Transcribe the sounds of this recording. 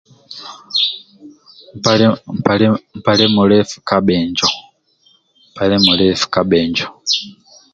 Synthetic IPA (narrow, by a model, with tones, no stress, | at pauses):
m˨pa˨m̩˨pa˨le˦mu˨lɛ˦fu̥ka˦ɓɛːɲd͡ʒɔ˨ | m˨pa˨le˦mu˨lɛ˦fu̥˨ka˨ɓɛːɲd͡ʒɔ˨